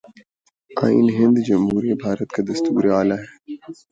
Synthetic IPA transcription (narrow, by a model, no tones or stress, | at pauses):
a̰ːḭnɦɪ̃nd̪d͡ʒɐmɦuːɾibʱaːɾət̪kad̪ɐst̪uːɾeaːlaɦɛː